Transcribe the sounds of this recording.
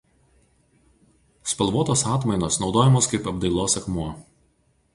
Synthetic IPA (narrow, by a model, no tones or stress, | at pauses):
spɐlˠʋuːɔt̪oːsɑːt̪mɐɪnoːsnɒʊd̪oːjɛmoːskɐɪpɐbd̪ɐɪlˠoːsɐkmuɔ